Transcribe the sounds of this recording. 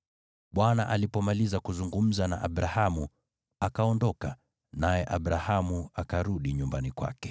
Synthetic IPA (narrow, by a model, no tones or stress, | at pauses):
ɓwanaʔalipɔmalizakuzuŋɡum̩zana̰ʔaɓɾahamu | akaɔndɔka | najɛʔaɓɾahamuakaɾuɗiɲumbanikwa̰kɛ̥